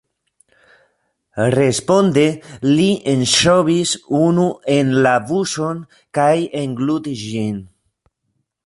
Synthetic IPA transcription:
respond̪elienʃoβisunuʔenlabuson | kajeŋɡlud̪isʒin

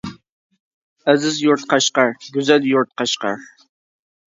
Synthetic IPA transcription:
æzɪzjuɾt̪qʰɑʃqɑɾɡʲyzɛljuɾt̪̚qʰɑʃqɑ̰ɾ

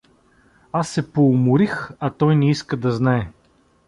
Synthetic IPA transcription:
asːɛpoːmʊɾixɐt̪ɔjnɛiskəd̪ɐznaɛ

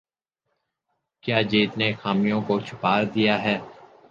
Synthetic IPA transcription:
kjaːd͡ʒiːt̪nexaːmijõkot͡ʃʰʊ̥paːɾd̪ijaɦɛː

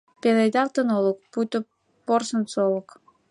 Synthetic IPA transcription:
pelejd̪ɑlt̪ənolok̚put̪o | porsənsolˠək

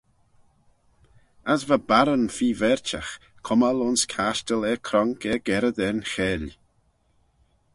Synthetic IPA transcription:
asvabaɾənfiːvɛɹt͡ʃax | kʰʊmalʊnskʰaʃtəlɛkʰɾɔŋkɛɡɛɾəd̪ɛnxɛːl

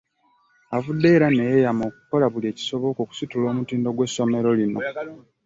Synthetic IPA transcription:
avudːe̞ɾanejejamo̞ːk̚u̥ko̞laβulie̞ːci̥so̞βo̞koku̥situlo̞ːmutiːndo̞ɡwe̞so̞me̞ɾo̞lino̞

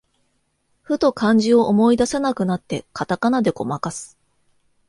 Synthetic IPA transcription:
ɸɯ̟t̪o̞kãɲ̟d͡ʑio̞ʔomo̞id̪asenakɯ̟nat̪ːe̞kat̪akanad̪e̞ko̞̰makasɨ̥

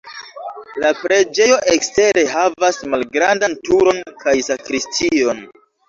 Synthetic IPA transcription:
lapɾe̞d͡ʒe̞jo̞ʔekste̞ɾe̞ɦavasmalɡɾandantuɾo̞nkʰajsakɾistʰio̞n

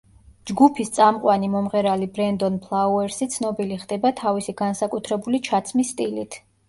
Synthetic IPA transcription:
d͡ʒɡupʰist̪sʼamqʼwanimɔmʁɛɾalibɾɛnd̪ɔnpʰlˠauɛɾsit̪sʰnɔbiliχd̪ɛbat̪ʰavisiɡ̥ansakʼut̪ʰɾɛbulit͡ʃʰat̪sʰmisːt̪ʼilit̪ʰ

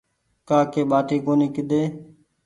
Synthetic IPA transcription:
kaːkeːɓaːt̪iːkoːniːkɪɗ̪eː

